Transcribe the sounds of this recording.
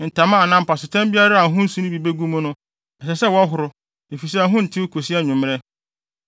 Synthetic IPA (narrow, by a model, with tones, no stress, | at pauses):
n̩˨tʰã˨mã˦˨nã˦m̩˦pʰa˨sʊ˨tʰã˦mbi˦a˦ɾa˦a˨ɦʊ̃˦n̩˦sũ˨˦ñ˦bi˨be˦ɡũ˦mʊ̃˦nʊ̃˦ | ɛ˨sɛ˨sɛ˦wɔ˦ɦʊ˨ɾʊ˦ | e˨fi˨s̬a˨˦ɦʊ̃˦n̩˨tʰɪ˦o˦kʰo˨si˦a˦˨ɲʊ̃˨m˦ɛ˦